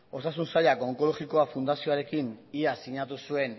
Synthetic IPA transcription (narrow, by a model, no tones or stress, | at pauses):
o̞sasunsaʎakoŋko̞lo̞ɣiko̞afund̪asio̞aɾe̞kiniasiɲat̪usue̞n